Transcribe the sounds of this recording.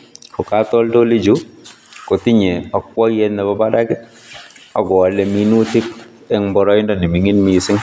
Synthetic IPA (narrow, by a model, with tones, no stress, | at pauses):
kɔ˨ka˦tɔ˦lto˦li˦d͡ʒu˦ | ko˨ti˦ɲɛ˨ɔ˨k̚wɔ˦kjɛ˦nːɛ˨bɔ˦ba˦da˦kɪ˦ | ɔ˨ɡɔ˨a˨lɛ˨mi˦nu˦ti˦k̚ | ɛ˦ŋbɔ˨ɾɔ˦ɪ˦ndɔ˨ni˨mi˨ŋi˦nmi˨sɪ˦ŋ